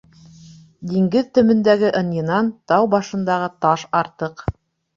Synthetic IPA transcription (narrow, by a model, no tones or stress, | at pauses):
d̪iŋɡɘðt̪ɵ̆mɘ̆nd̪æɡɘʔɤ̆njɤ̆nɑnt̪ɑwbɑʃɤ̆nd̪ɑʁɤt̪ɑʃɑɾt̪ɤq